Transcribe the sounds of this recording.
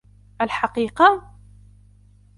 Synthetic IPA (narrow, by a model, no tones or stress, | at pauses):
ʔalħaqiːqɑ